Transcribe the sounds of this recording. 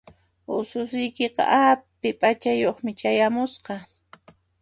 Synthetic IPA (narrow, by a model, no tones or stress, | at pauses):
ʊsʊsɪjkeqɑ̰ʔapɪpʼat͡ʃajoχmɪt͡ʃajamʊsqɑ